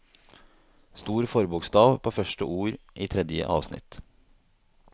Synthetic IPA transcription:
st̪uːɾfɔɾbʊkst̪ɑːʋpʰoːfœʃʈəʔuːɾʔiːt̪ʰɾɛd̪jə̰ʔɑ̰ːʋsnɪ̰t̪

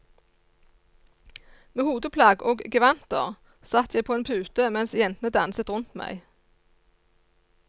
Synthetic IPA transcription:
meːhuːd̪əpʰlɑːɡoːɡɡəʋɑnt̪ə̰ʁ | sɑt̪ʰjæɪpʰoːeːnpʰʉːt̪əmɛnsjɛnt̪nəd̪ɑnsət̪ʁʊnt̪mæ̰ɪ

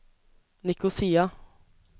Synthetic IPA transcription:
nɪkʊsiːa

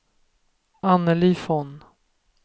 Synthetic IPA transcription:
anːəlifɔn

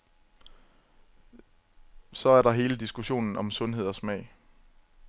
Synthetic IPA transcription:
sɒ̽æɐɾɑ̈ɦe̝ːləd̥isɡ̥uɕo̝̰ːnn̩ɒ̽msɔ̽nɦe̝ð̞̰ˠɒ̽smɛ̰ɪ̰

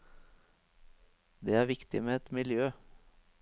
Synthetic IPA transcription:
d̪eːæːɾʋɪkt̪ɪmeɛt̪mɪljøː

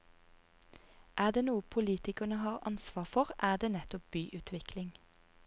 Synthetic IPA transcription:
ʔæːd̪eːnuːəpʰʊliːt̪ɪkənəhɑːʁɑ̰nsʋɑːʁfɔʁʔæːʁd̪eːnɛt̪ɔp̚b̥yːʔʉːt̪ʰʋɪklɪŋ

